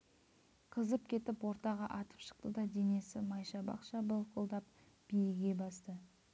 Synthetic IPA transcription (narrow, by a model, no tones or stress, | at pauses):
qʰəzəpkʲʰe̞t̪ɪpwo̞ɾt̪ɑʁɑʔɑt̪ə̥pʃə̥q̚t̪əd̪ɑd̪ene̞sɪmɑjʃɑbɑ̰qʃɑbəlˠqʰolˠd̪ɑp̚ | b̥ijɪɡʲe̞bɑst̪ə